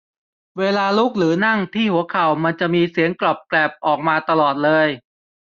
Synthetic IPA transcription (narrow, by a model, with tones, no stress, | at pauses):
weː˧laː˧luː˦˥˩k̚lɯː˩˦na˥˩ŋt̪ʰiː˥˩hu˩˦ɐkʰa˨˩wma˧nt͡ɕa˨˩ʔmiː˧si˩˦ənklɔ˨˩p̚klɛː˨˩p̚ʔɔː˨˩k̚maː˧t̪a˧lɔː˨˩t̪̚lɤː˧j